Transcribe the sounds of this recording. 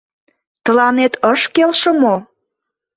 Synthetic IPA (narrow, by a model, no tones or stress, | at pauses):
t̪əlɑnet̪əʃkelʃə̆mo